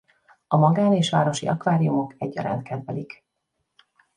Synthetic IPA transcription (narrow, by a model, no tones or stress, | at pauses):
ɒmɒɡaːneːʃʋa̰ːɾo̞ʃḭʔɒkʋaːɾijumo̞kɛɟːɒ̰ɾa̰ːnt̪̚kɛd̪vɛlik